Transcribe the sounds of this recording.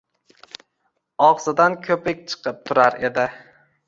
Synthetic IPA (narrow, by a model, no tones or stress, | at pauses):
ɒʁsɪd̪ankʲʰɵpɪk̚ʲt͡ʃʰɨ̥qʰɨp̚t̪ʰʊɾaɾe̞d̪ɪ